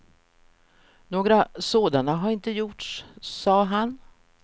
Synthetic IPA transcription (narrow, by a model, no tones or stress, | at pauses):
noːɡɾasoːd̪anaɦaɾɪnt̪əjʊʈʂːɑːɦan